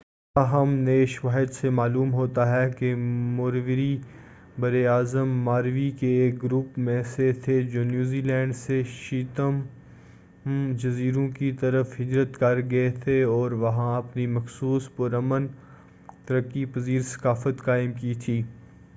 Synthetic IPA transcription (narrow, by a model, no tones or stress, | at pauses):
aɦɐmneʃʋaːɦɪd̪semaːluːmɦoːt̪aɦɛkemʊːɾʋɪɾi | bɐɾeaːzəmːaːɾʋikeːk̚ɡɾuːpmẽset̪ʰed͡ʒoːnjuːziːlɛ̃ːɳɖseʃiːt̪əm | d͡ʒɐziːɾõkit̪ɐɾəfɦɪd͡ʒɾət̪kɐɾɡɐet̪ʰeɔːɾʋɐɦãɐpnimɐxsuːspʊɾɐmən | t̪ɐɾəkːipɐziːɾsɐ̥kaːfət̪kaːɪmkiːt̪ʰiː